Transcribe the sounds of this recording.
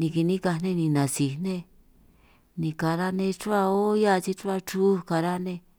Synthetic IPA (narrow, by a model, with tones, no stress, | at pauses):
nĩ˧ki˧nĩ˦ka˧nẽ˦nĩ˧nã˨si˧nẽ˦ | nĩ˧ka˧ɾa˦nẽ˧t͡ʃu˦a˧o˦ja˦˧t͡ʃi˧t͡ʃu˦a˧t͡ʃu˦ka˧ɾa˦nẽ˧